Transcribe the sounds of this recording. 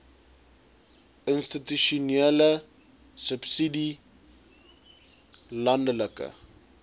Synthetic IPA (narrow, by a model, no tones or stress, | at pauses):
ənstityʃunɛlə | səpsidi | lɐndələkə̰